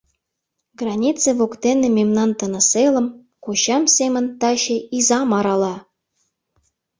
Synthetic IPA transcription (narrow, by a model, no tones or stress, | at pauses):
ɡrɑnʲit͡seβokt̪enĕmemnɑnt̪ɤ̆nɤ̆selə̆m | koɕɑmsemə̆nt̪ɑɕĕizɑmɑɾɑlɑ